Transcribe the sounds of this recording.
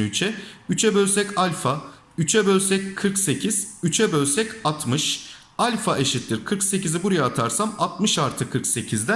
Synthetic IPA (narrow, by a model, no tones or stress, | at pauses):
yt͡ʃʰɛyt͡ʃʰɛbølʲsɛcalʲfa | yt͡ʃʰɛbølʲsɛckʰɯɾkse̞cʰiz̥yt͡ʃʰɛbølʲsɛcat̪ʰmɯʃ | alʲfaʔe̞ʃit̪lʲːiɾkʰɯɾkse̞cizibuɾajaːt̪ʰaɾsamat̪̚mɯʃaɾt̪ʰɯkʰɯɾkse̞cʰizd̪æ